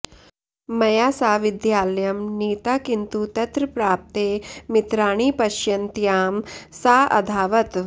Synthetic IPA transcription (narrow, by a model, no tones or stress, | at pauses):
mɐjaːsaːʋid̪jaːljɐmniːt̪aːkint̪ut̪ɐt̪ɾpɾaːp̚t̪eːmit̪ɾaːɳ̃iːpɐʃjɐnt̪jaːmsaːʔɐ̰d̪ʱaːʋɐt̪